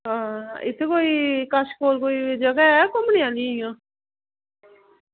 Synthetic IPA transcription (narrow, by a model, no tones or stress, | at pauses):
ɦãːɪ̰t̪ʰːekoːiːkəʃkoːlkoːid͡ʒəɡaɛːkʊmniãːlĩijãː